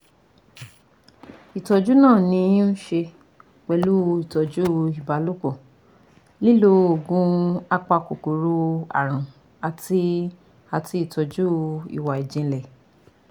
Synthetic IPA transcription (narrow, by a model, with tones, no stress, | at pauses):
i˨tɔ˧d͡ʒu˦nãː˦˨nĩ˧˦n̩˦ʃe˧ | k͡pɛ˨lu˦˧i˨tɔ˨d͡ʒu˦˨i˨ba˨˦lu˦ko˦˨ | li˦lo˦o˨ɡũ˧˦a˧k͡pa˧ko˨ko˨ɾo˦a̰˨ɾ̃ã˨ | a˨ti˧ | a˧ti˧˦i˦˨tɔ˨d͡ʒu˦ḭ˨wa˨i˨d͡ʒĩ˧lɛ˨